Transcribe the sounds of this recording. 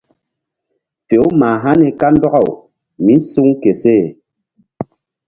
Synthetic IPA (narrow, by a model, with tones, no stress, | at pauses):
fe˨˦ma˨ɦa˦nɛ˨ka˦n˦dɔ˦ɣɔ˦˨w | mi˦n˦su˦ŋ˦ke˨se˦˨